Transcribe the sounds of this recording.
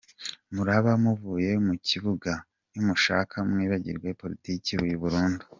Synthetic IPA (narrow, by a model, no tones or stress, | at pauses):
muɾaβamuvuːjemuciβuɡa | jumuʃa̰ːkʰamŋiːβaɟiɾɡwaipo̞ɾitiːciβujiβuɾuːndu̥